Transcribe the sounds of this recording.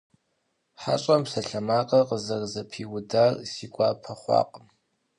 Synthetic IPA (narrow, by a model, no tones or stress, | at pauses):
ħa̰ɕʼɐmsɐɬɐmaːqʼɐqəzɐrzɐpʰiːwʊdarsiːkʷʼaːpʰɐχʷɑ̰ːqʼəm